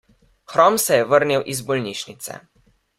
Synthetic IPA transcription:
xɾɔmsɛjɛʋəɾniwʔizbɔlniʃnit̪sɛ̰

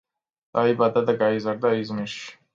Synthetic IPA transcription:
d̪aibad̪ad̪aɡaizaɾd̪aizmiʃ

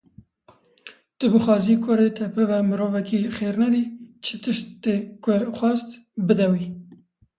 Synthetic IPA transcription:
t̪ɨbɨxɑːziːkʰʊɾet̪ʰɛpʰɨvɛmɨɾoːvɛkixeːɾnɛd̪iːt͡ʃʰɨt̪ɨʃt̪t̪eːkʷʊxʷɑːst̪ | bɨd̪ɛwi

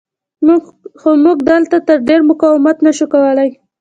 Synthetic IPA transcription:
mxomuɡd̪əlt̪at̪əɾɖeɾmʊkɑwɪmat̪naʃukawəlaj

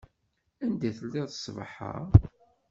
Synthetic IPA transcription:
ænd̪æθəlːiðəsˤvħa̰

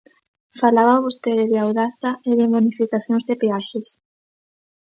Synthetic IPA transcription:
falaβaβost̪eðeðɪawðaθaeðemonifikaθjõŋzðepeaʃes

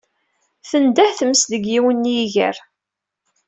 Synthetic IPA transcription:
θənd̪æhθəmsðəɡjiwənːjiʝə̰ɾ

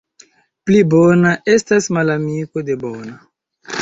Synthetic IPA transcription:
plibonaʔe̞stasmalamiko̞de̞bona

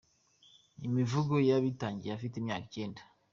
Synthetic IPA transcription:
imivuɡojaβitaːɲɟiɾafiteimɲa̰ːkit͡ʃe̞ːnda

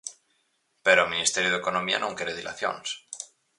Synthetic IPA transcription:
peɾoeminist̪eɾjoðekonomia̰nõŋkeɾeðila̰θjo̰ns

